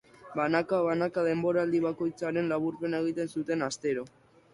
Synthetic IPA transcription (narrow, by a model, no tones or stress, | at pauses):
banakaβanakaðe̞mbo̞ɾaːld̪iβako̞jt͡saɾe̞nlaβuɾpe̞nae̞ɣ̞it̪e̞nsut̪e̞nast̪e̞ɾo̞